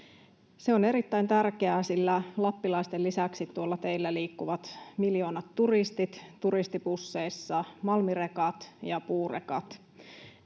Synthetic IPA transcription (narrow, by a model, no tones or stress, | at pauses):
seo̞ne̞ɾit̪ːæint̪ærkeæːsilːælɑpːilɑist̪elːisæksit̪tːuolːɑt̪e̞ilːæliːkːuʋɑt̪miljo̞ːnɑt̪ːuɾist̪it̪tuɾist̪ipusːe̞isːɑmɑlmirekɑt̪jɑpuːrḛkɑ̰t̪